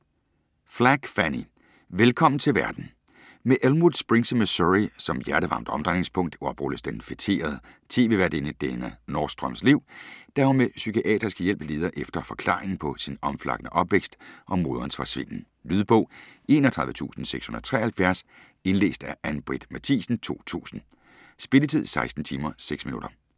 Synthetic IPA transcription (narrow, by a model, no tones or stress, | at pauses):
flæɡ̥fæni | ʋelkʰɒ̽m̰n̩t͡sʰe̝lʋæɐd̥n̩ | meʔelmuðˠsb̥ʁeŋsəməsoʁisɒ̽mjæɐɾ̥əʋɑ̈ːmd̥ɒ̽md̥ʁɑne̝ŋspʰɔ̽ŋ̰d̥ɒ̽b̥ʁuləsd̥enfet͡sʰe̝̰ːɐð̞ˠət͡sʰe̝̰ːʋe̝ʋæɐdenəd̥enənɒːsd̥ʁœm̰sliʊ̰d̥æhɐmesykʰiʔɛ̰ːd̥ʁisɡ̥əjel̰b̥əle̝ːð̞ˠɐʔefd̥ɐfɒ̽kʰl̥ɑ̰̈ːʁeŋn̩pʰɒ̽sinɒ̽mflɑ̈ɡ̥ənəʔɒ̽b̥ʋeɡ̥sd̥ʔɒ̽mːo̝ːðˠɐnsfɑsʋe̝n̰n̩ | lyːðˠb̥ɔ̽ʊ̰e̝̰ːnɒt͡sʰʁɑ̈ðˠðət͡sʰṵːsn̩seɡ̥shu̝n̩̰ðˠɐɐ̥t͡sʰʁɛ̰ɐhælfjæɐs | e̝nle̝̰ːsd̥æɐʔænb̥ʁid̥mæt͡sʰḭːsn̩t͡sʰo̝̰ːt͡sʰṵːsn̩ | sb̥e̝lət͡sʰið̞̰ˠsɑ̈ɪsd̥n̩t͡sʰiːmɐseɡ̥sminud̥ɐ